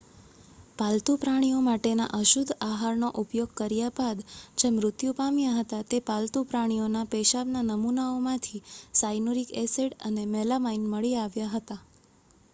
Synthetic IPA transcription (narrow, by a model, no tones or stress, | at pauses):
palt̪upɾaɽ̃ijomaʈena̰ʔəʃud̪ʱaɦaɾnoʔupjoɡkəɾjabad̪d͡ʒemɾʊt̪jupamjaɦət̪at̪epalt̪upɾaɽ̃ionapeʃaʋnanəmunaomãt̪ʰisajnuɾikeseɽənemɛlamainməɭiaʋjaɦət̪a